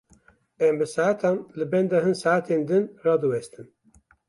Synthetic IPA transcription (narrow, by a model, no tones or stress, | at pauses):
ɛmbɨsaʕat̪ʰɑːnlɨbɛnd̪ɛɦɨnsaʕat̪ʰeːnd̪ɨnrɑːd̪ɨwɛst̪ɨn